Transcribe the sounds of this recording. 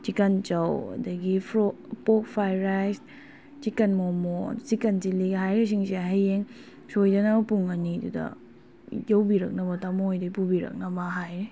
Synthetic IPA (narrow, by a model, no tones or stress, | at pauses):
t͡ʃikant͡ʃawɐ̰dɐɡipʰɾopok̚pʰajɾajs | t͡ʃikɐnmomo̰t͡ʃikɐnsiliɡhajɾis̬iŋsiɦajeŋ | sojdanapuŋanidṵdɐ̰ | jawbiɾɐk̚nɐbatamojdɐpubiɾɐ̰k̚nɐbaɦajɾi